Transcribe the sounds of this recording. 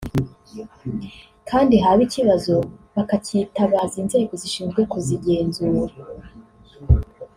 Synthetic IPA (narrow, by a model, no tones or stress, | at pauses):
kʰaːndiɦaβiciβazo̞βakacitaβaziːnzeɾekoziʃiːnzɡwe̞koziɟe̞ːnzuːɾa